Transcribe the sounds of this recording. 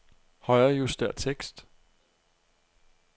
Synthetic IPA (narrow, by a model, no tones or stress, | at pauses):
hɒɪɐjusd̥æɐ̰t͡sʰeɡ̥sd̥